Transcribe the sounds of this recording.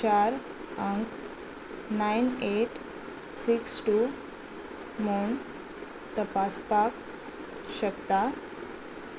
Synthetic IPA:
t͡ɕaɾ | aŋk | najneʈ | siksʈu | moɳ | t̪əpaspak | ɕəkt̪a

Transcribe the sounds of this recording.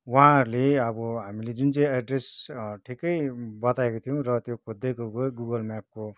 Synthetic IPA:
wʌɦãɾleʌbʌɦamiled͡zunt͡sãj̃aɖresʈʰikʌjbʌt̪aekot̪ʰijõɾʌt̪jokʰod̪ːejkoɡoɡuɡʌlmap̚ko

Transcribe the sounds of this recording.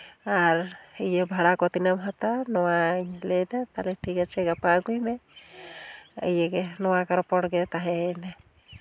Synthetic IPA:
aɾejebʱaɽakɔt̪inamɦat̪anɔwaɲlejd̪at̪alɛʈʰikat͡ʃʰɛɡapaɡujmɛ | ə̰jɛkenɔwakaɾpɔɽɡɛt̪aɦɛnɛ

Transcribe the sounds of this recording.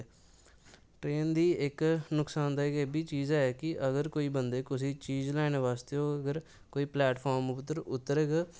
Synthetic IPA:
ʈɾeːnd̪iːɪknʊksaːnd̪aːɪkeːbiːt͡ʃiːzaːɛːkɪəɡəɾkoːiːbənd̪eːkʊs̬iːt͡ʃiːd͡ʒlɛːnʋaːst̪eoːəɡəɾ | koːiːplɛːʈpʰaːɾmʊt̪ːəɾʊt̪ːəɾeːɡa

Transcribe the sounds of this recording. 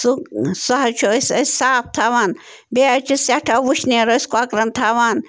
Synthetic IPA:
suksɐɦɐt͡ʃʰosɐsʲsaːp̚t̪ʰaːʋaːn | beɐt͡ʃʰisɐʈʰaʋuʃʰneːɾoiskoakɾɐnt̪ʰaːʋaːn

